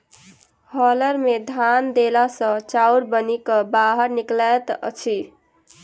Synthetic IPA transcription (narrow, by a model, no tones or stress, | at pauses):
hʌlʌɾmed̪ʱand̪elasʌ̃t͡ʃawɾbʌnikʌbaɦəɾniklat̪ʌ̰t͡ʃʰi